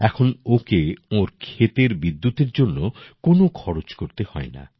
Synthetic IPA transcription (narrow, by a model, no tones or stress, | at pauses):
ɛkʰonokeoɾkʰet̪eɾbid̪ːut̪eɾd͡ʒonːokonokʰɔɽot͡ʃkoɾt̪ehɔena̰